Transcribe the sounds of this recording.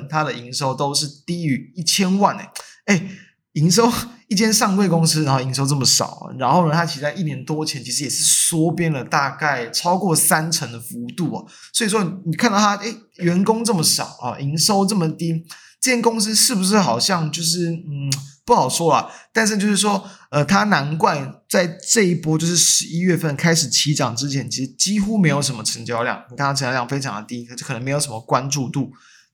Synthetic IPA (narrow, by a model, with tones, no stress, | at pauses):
t̪ʰa˦d̪ə˨i˧˥ŋʂo˥ʊt̪o˥ʊʂɻ̩˥˩t̪i˥y˧˥i˥˩t͡ɕʰjɛ˥nwa˥˨nḛ˩e˥˩ɪ | i˧˥ŋʂo˥ʊi˥˩t͡ɕjɛ˥nʂɑ˥˧ŋwe˥˩ɪkʊ˥ŋs̩˥a˧˦nxo˥˩i˧˥nʂo˥ʊt͡sə˥˩mə˩ʂɑ̰˨˩˦ʊ̰˩ɻa˧˥nxo˥˩ʊnə˩t̪ʰa˥t͡ɕʰi˧˥t͡sa˥˧ɪʔi˥˩njɛ˧˥nt̪wɔ˦˥t͡ɕʰjɛ˧˦nt͡ɕʰi˧˥ʂɻ̩˧˥jɛ˨˩ʂɻ̩˥˩swɔ˥pjɛ˦˥ndə˨t̪a˥˧ka˥˩ɪt͡sʰɑ˥ʊkwɔ˥˩sa˦˥nt͡sʰə˧˥ŋd̪ə˨fu˧˥t̪u˥˩ɐ̰˨˩ | swɔ˧˥i˨˩ʂ̬wɔ˦n˨ni˨˩kʰa˥˧nd̪ɑ˥˩t̪ʰa˥ʔe˥˩ɪ | ɥɛ˧˥nkʊ˥ŋt͡sɤ˥˩mə˩ʂɑ̰˨˩ʊɐ̰˨ʔi˧˥ŋʂo˥ʊt͡sɤ˥˩mə˨˩t̪i˥ | ʈ͡ʂɤ˥˩t͡ɕʰjɛ˥nkʊ˥ŋs̬̩˥ʂɻ̩˥˩bu˩ʂ̬ɻ̩˥˩xɑ˨˩ʊɕjɑ˥˧ŋt͡ɕjo˥˧ʊʂ̬ɻ̩˥˩˥pu˥˩xɑ˨˩ʊʂwɔ˥lə̰˨t̪a˥˧nʂ̬̩˥˩t͡ɕo˥˧ʊʂ̬ɻ̩˥˩ʂ̬wɔ˥ə˨t̪ʰa˥na˧˦˥nkwa˥˧nt͡sa˥˧ɪʈ͡ʂɤ˥˧i˥˩pwɔ˥t͡ɕjo˥˧ʊʂɻ̩˥˩ʂɻ̩˧˦i˥ɥɛ˥˧fə˥˩nkʰa˥ɪʂɻ̩˨˩t͡ɕʰi˧˥ʈ͡ʂɑ˨˩ŋʈ͡ʂɻ̩˥t͡ɕʰjɛ˧˦nt͡ɕʰi˧˥ʂɻ̩˧˥t͡ɕi˥xu˥me˧˥ɪjo˨˩ʊʂ̬ə˧˥mə˧ʈ͡ʂʰə˧˥ŋt͡ɕjɑ˥ʊljɑ̰˥˩ŋni˨˩k̪ʰa˥˩˧t͡ɕɑ˥jɑ˥˩ŋfe˥ɪʈ͡ʂʰɑ˧˥ŋd̪ə˨t̪i˦˥˧t͡ɕk̪ʰə˧˥ŋme˧˥ɪjo˨˩ʊʂə˧˦mə˧kwa˦nʈ͡ʂu˥˧t̪u˥˩